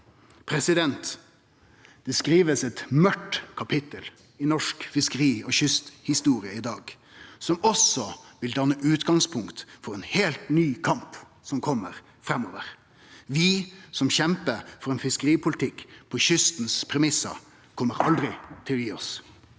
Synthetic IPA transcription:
pʰɾɛsɪd̪ɛnt̪ | d̪̥ɛskɾiːʋəsɛt̪mœʈkʰɑpʰɪt̪əl | ɪnɔʂkfɪskəɾiːɔːçʏst̪hɪst̪uːɾɪəɪd̪ɑːɡ | sɔmɔsɔʋɪld̪ɑnːəʔʉːt̪ɡɑŋspʰʊŋkt̪fɔɾɛnheːlt̪nyːkʰɑmp | sɔmkʰɔmːəɾ | fɾɛmoːʋəɾ | ʋɪsɔmçɛmpəfɔɾɛːnfɪskəɾiːpʰʊlt̪ʰɪkːpʰɔçʏst̪n̩spʰɾɛmɪsːə̰ɾ | kʰɔmːəɾɑ̰ld̪ɾɪt̪ʰɪlɔjiːɔs

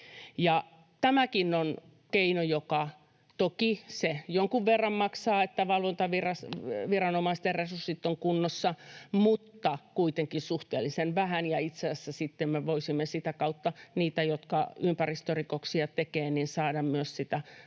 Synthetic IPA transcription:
jɑ | t̪æmækinon | keinojokɑ | t̪okisejoŋkuʋʋerːɑmmɑksɑːet̪ːæʋɑlʋont̪ɑʋirɑsʋirɑnomɑist̪erresursːit̪ːoŋkunːosːɑmut̪ːɑkuit̪eŋkinsuht̪ḛːlisenʋæhænjɑit̪seːsːæsit̪ːemmeʋoisimːesit̪ækɑut̪ːɑniːt̪æjot̪kɑympærist̪orikoksiɑt̪ekeːnninsɑːdɑmmyøssit̪æ

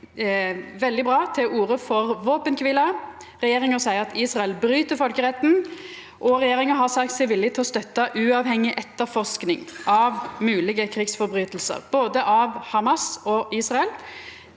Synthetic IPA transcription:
ʋɛld̪ɪbʁɑːt̪ʰɪʔuːʁəfɔʁʋoːpənkʰʋɪlɑ | ʁɛjeːʁɪŋəsæɪəʁɑt̪ʰiːsʁɑɛlbɾyːt̪əɾfɔlkəʁɛt̪ːn̩ | ʔɔʁɛjeːɾʁɪŋəɦɑʁsɑk̚t̪sɛɪʋɪlːɪt̪ʰɪlɔst̪œt̪ːɑʔʉːɑʋhɛŋːɪʔɛt̪ːəɾfɔʁsknɪ̰ŋʔɑʋmʉːlɪɡəkʰɾiːɡsfɔɾbʁyːt̪l̩sə̰ʁboːd̪əʔɑʋhɑmɑsɔiːsʁɑɛl

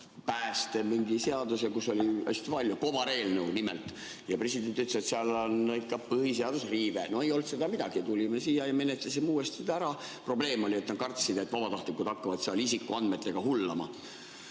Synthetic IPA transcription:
pæːst̪emiŋɡise̞ɑd̪usekusːo̞lʲiæ̰st̪ipɑlʲːjuko̞vɑɾe̞ːlnewnimelt̪ | jɑpre̞sid̪̥e̞nt̪yt̪ːleset̪seɑlonikːˑɑpɯhiseɑd̪̥usriːveno̞ejo̞lt̪se̞d̪ɑmid̪ɑɡ̥it̪ulʲimesiːjɑjɑme̞net̪lɑsimuːest̪sid̪̥ɑæɾɑpro̞ble̞ːmo̞liet̪nɑtɡ̥̪kɑrt̪sid̪et̪ːvɑb̥ɑt̪ɑht̪likːud̪̥ɑkːɑvɑt̪seɑlisikːˑuɑnd̪met̪ːe̞ɡ̥ɑɦulːɑmɑ̰

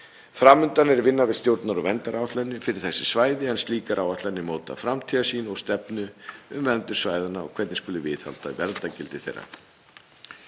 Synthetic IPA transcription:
fɾaːmʏnt̪anɛɾvɪnːavɪðst̪jowɾt̪naɾɔvɛnt̪aɾawat̪lɛnːʏfɪɾɪɾ̥θɛsːɪsvaːjðɪɛnst̪liːkaɾʔawvaht̪lɛnːɪmoːwt̪a̰fɾamt̪ʰiːðasiːnɔɣst̪ɛpnʏʏmvɛnt̪ʏɾ̥svaːjðanaɔ̰kʰvɛɾt̪nɪ̥skʏlʏvɪðha̰l̥t̪avɛɾt̪acɪlt̪ɪθḛjrːa̰

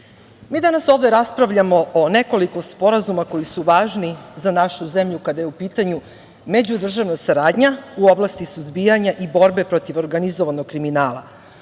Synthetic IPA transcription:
miːd̪anaso̞ːvd̪e̞ɾaspɾaʋʎamo̞ʔone̞ko̞liko̞spo̞ɾazumako̞jisuʋaːʒnizanaʃuze̞mʎukad̪ajeupiːt̪aɲu | me̞d͡ʑud̪r̩ʒaʋnasaɾaːd̪ɲauoblˠast̪isuzbijaɲaʔibo̞ɾbe̞pɾo̞t̪iʋo̞ɾɡanizoʋanoɡ̚kːɾiminaːlˠa̰

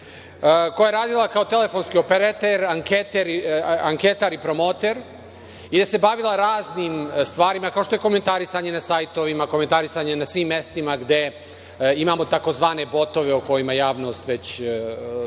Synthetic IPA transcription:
kojajeɾaːd̪ilˠakaot̪e̞le̞fo̞nskio̞peɾet̪eɾaŋket̪eɾaŋke̞t̪aɾipɾo̞mo̞ːt̪eɾ | id̪ase̞baʋilˠaɾaːzniːmst̪ʋaːɾimakao̞ʃt̪o̞je̞ko̞me̞nt̪aɾisaɲe̞nasajt̪o̞ʋimako̞me̞nt̪aɾisaɲenasʋiːmːe̞st̪imaɡd̪e̞ | imamo̞t̪ako̞zʋaːne̞bo̞t̪o̞ʋe̞uko̞jimajaːʋno̞st̪ʋe̞t͡ɕ

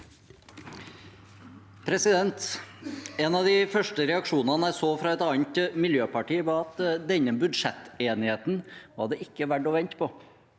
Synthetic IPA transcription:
pʰɾɛsɪd̪ɛnt̪ | eːnɑʋd̪ɪfœʂʈəɾɛɑkʂuːnɑnəæɪsoːfɾɑːɛt̪ɑːnt̪mɪljøːpɑʈiːʋɑɑt̪d̪ɛɲːəbʉd̪ʂɛt̪ːeːnɪheːt̪nʋɑ̰ːɖɛʔɪkːəʋæɖɔʋɛnt̪pʰɔ

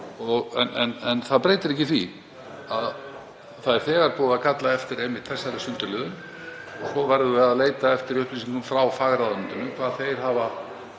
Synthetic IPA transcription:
ɔɣɛ̰nɛnɛnθaðpɾeːjt̪ɪɾɛhcɪθvi | að | θaðɛɾ̥θɛːɣaɾpɔːðakʰat̪laɛft̪ɪɾejmːɪht̪θɛsːaɾɪsʏnt̪ʏɾlɪːðʏn | ɔsɔvɛɾðʏvɪaðleːjt̪aɛft̪ɪɾiʏhplɪsiŋkʏmfɾawfaːɣɾaðʏnt̪ʏnːʏkʰvaːðθejɾ̥ɦava

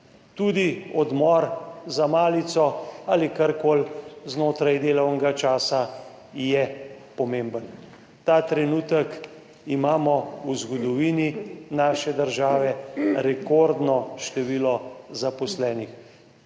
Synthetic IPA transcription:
t̪ud̪iɔd̪mɔɾzamaːlit̪sɔaːlikaɾkoːlznoːt̪ɾajd̪eːlɔwnɛɡat͡ʃaːsa | jɛpɔmembən | t̪aːt̪ɾɛnuːt̪ək | imaːmɔwzɡɔd̪ɔʋiːninaːʃɛd̪əɾʒaːʋɛɾɛkoːɾd̪nɔʃt̪ɛʋiːlɔzapɔslɛːnix

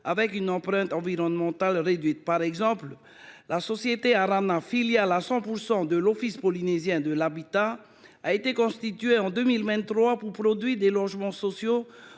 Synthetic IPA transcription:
avɛkynɑ̃pʁɛ̃t̪ɑ̃viʁɔnmɑ̃t̪alʁed̪ɥit̪̚paʁɛɡzɑ̃pl | lasɔsjet̪eaʁanafiljalasɑ̃puʁsɑ̃d̪əlɔfispɔlinezjɛ̃d̪əlabit̪a | aet̪ekɔ̃st̪it̪ɥeɑ̃d̪ømilvɛ̃t̪ːχwapuʁpʁɔd̪ɥid̪elɔʒmɑ̃sɔsjo

